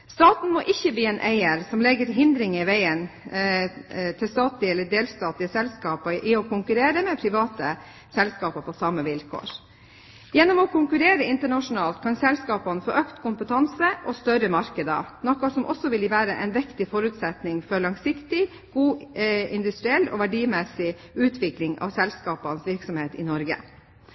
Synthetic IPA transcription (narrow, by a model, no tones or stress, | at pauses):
st̪ɑːt̪n̩mɔʔɪçːəbliːɛnʔæɪəɾsɔmlɛɡəɾɦɪnd̪ɾɪŋɪʋæɪən | t̪ʰɪlst̪ɑːt̪lɪɛlːəɖeːlst̪ɑːt̪lɪəsɛlskɑːpəʔɪɔkʰʊŋkʉɾeːɾəmɛpʰɾɪʋɑːt̪ə | sɛlskɑːpɑpʰɔsɑmːəʋɪlkʰo̰ːɾ | jɛnːɔmɔkʰʊŋkʉɾeːɾəɪnt̪əɳɑʂʊnɑːlt̪̚kʰɑnsɛlskɑːpɑnəfo̰ːʔøkt̪kʰʊmpət̪ʰɑnsəʔɔst̪œɾəmɑɾkəd̪ə̰nɔkːɑsɔmʔɔ̰sɔʋɪlʋæːɾəʔɛ̰nʋɪkt̪ɪfɔɾʉt̪sɛt̪nɪŋfɔɭɑŋsɪkt̪ɪ | ɡ̥uːɪnd̪ʉst̪ɾɪɛlːɔ̰ːʋæɖiːmɛsɪ | ʉːt̪ʰʋɪklɪŋɑ̰ʋsɛlskɑːpɑnəsʋɪɾksɔmheːt̪ɪ̰nɔɾɡə̰